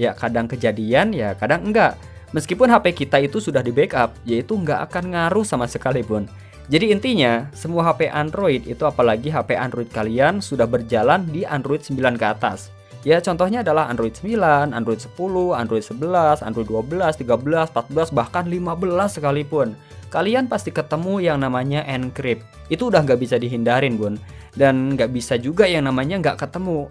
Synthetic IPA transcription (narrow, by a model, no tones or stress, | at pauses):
jakadaŋkəd͡ʒadianjakadaŋŋɡaʔ | məskipʊnɦapekit̪ait̪usudahdibekap̚jait̪uəŋɡaʔa̰kanŋaɾʊhsamasəkalipʊn | d͡ʒadiːnt̪iɲasəmuaɦapeʔandɾoit̪ḭt̪uapalaɡiɦapeʔandɾoit̪̚kaliansudahbərd͡ʒalandiandɾoit̪səmbilankəat̪a̰s | jat͡ʃɔnt̪ɔhɲaːdalaɦa̰ndɾoit̪səmbilana̰ndɾoit̪̚sə̥puluha̰ndɾoit̪̚səbəlasa̰ndɾoit̪̚duabəlast̪iɡabəlaspat̪̚bəlasbahkanlimabəlasːəkalipʊn | kalianpast̪ikət̪əmujaŋnamaɲaʔɛnkɾɪp̚ | it̪uːdahŋɡaʔbisadiɦindaɾɪnbʊndanŋɡaʔbisad͡ʒuɡajaŋnamaɲaŋɡaʔkət̪əmu